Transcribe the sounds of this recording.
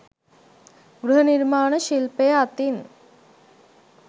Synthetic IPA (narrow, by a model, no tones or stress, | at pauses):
ɡɾuɦɐniɾmaːɳɐʃilpeːɐt̪in